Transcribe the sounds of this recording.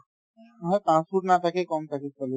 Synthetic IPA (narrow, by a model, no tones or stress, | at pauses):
ɦɔet̪ãsuɾnat̪ʰakekɔmt̪ʰaket͡ɕɔle